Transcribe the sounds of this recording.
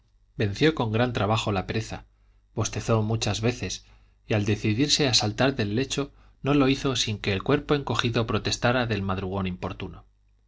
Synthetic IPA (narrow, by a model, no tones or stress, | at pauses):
be̞n̟θjo̞ko̞ŋɡɾant̪ɾaβaxo̞lape̞ɾe̞θa̰ | b̥o̞st̪e̞θo̞mut͡ʃazβe̞θe̞s | iald̪e̞θiðiɾse̞asalt̪aɾðe̞lːe̞t͡ʃo̞ | no̞lo̞iθo̞siŋkeːlkwe̞ɾpo̞e̞ŋko̞xiðo̞pɾo̞t̪e̞st̪aɾaðe̞lmaðɾuɣ̞o̞nimpo̞ɾt̪uno